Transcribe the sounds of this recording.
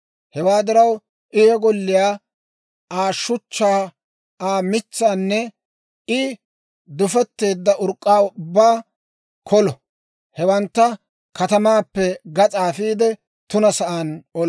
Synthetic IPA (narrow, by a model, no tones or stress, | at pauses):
hɛwaːd̪ɪɾɐw | ʔɪjɔɡɔlːɪjaː | aːʃːʊt͡ʃːaː | aːmɪt͡sːaːnːɛ | ɪ | d̪ʊfɛt̪ːe̞ːd̪ːɐʔʊɾkʼːaːʊbːaː | kʰɔlɔ | hɛwɐnt̪ːɐ | kɐt̪ɐmaːpːɛɡɐt͡sʼaːfiːd̪ɛ | t̪ʊnɐsɐʔaːnɔl